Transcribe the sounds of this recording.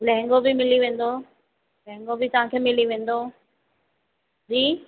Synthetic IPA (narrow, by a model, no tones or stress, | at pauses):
lɛ̃ɦɛ̃ŋɡobɪmɪliʋẽːn̆d̪o | lɛ̃ɦɪ̃ŋɡobɪt̪ɐʋ̤ãkʰeːmɪliʋẽːn̆d̪o | d͡ʑiː